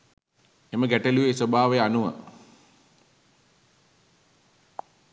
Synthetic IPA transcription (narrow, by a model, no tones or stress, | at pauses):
eməɡæʈəliʋesobʱaːʋejəanuʋə̰